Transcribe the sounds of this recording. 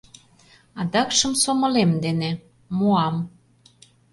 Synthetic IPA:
ɑd̪ɑkʃə̆msomɤ̆lemd̪ene | moɑm

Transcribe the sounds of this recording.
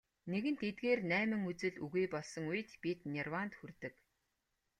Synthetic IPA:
neɣɘ̆nt̪et̪̚ɡeːrnæːmɘ̆ŋut͡sɘ̆ɮuɣeːpɔɮsɞ̆ŋuj̆t̪pit̪nʲirwant̪xurt̪ɘ̆k

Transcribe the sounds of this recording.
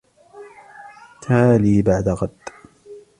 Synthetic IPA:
t̪ʰaːliːbaʕd̪aɣɑd̪ː

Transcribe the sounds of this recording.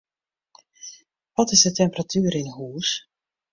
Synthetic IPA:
ʋɔtɪzdətɛmpəratyːɾɪnɦuːs

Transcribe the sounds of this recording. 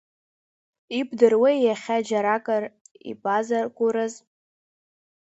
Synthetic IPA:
ibʰʼdɨrwejaχʲad͡ʒaɾakʼarḭpʼazarkʷʼuɾaz

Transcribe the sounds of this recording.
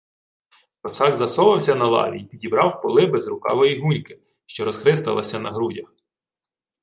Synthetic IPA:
pɔsɑɡzɐsɔʋɐwsʲɐnɐlˠɑ̰ʋʲiit̪idʲibɾɑwpɔlˠɪbɛzrʊkɑ̰ʋɔjiɦunʲkɪ̥ | ʃt͡ʃɔɾɔz̥xɾɪst̪ɐlˠɐsʲɐnɐɦɾudʲɐx

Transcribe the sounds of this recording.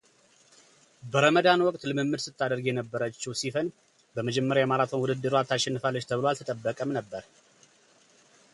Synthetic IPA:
bəɾəməd̪anwɔkʼt̪lɨmɨmːɨd̪sɨt̪ʰːad̪əɾɡjɛnəbːəɾət͡ʃːɛwsifən | bəməd͡ʒɛmːəɾjajɛmalat̪ʰwnwud̪ɨd̪ːɨɾuwat̪ʰːaʃɛnːɨfalːət͡ʃt̪ʰəβɨloalt̪ʰət̪ʼəbːəkʼəmnəbːəɾ

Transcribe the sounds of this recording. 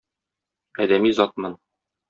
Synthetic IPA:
æd̪æmizɒt̪̚mɤn

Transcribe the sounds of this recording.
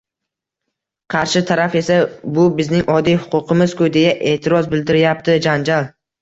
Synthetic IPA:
qʰɑɾʃɪt̪ʰaɾafe̞sabʊbɪznɪŋʔɒd̪ijhʊ̥qʰʊqʰɨmɪzkʰʊd̪ejaʔe̞ːt̪ʰɪɾɒzbɪld̪ɪɾɪjap̚t̪ʰɪd͡ʒand͡ʒalˠ

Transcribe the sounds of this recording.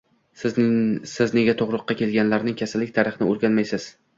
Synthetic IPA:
sɪzne̞ɡʲat̪ʰoʁɾʊqːɑkʲe̞lɡʲanlaɾnɪŋkʲʰasalːɪkʲt̪ʰaɾɪχɪnɪoɾɡʲanmajsɪz̥

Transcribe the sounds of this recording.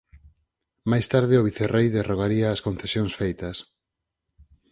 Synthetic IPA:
majst̪aɾð̞ɪʊβ̞iθerʔejðeroɣ̞aɾiɐːskõnθesjõŋsfejt̪ɐs

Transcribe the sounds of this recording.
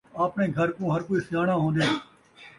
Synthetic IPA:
aːpnẽːɡʱəɾkõːɦəɾkoːiːsjaːɽãːɦõːnd̪eː

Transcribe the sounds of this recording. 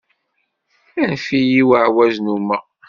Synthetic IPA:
ænfijiwəʕwæznumæ

